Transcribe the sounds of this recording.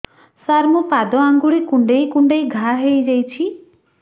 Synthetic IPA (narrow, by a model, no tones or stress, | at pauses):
saɾmupad̪ɔaŋɡuɽikuɳɖejkuɳɖejɡʱaɦejd͡ʒajt͡ʃʰi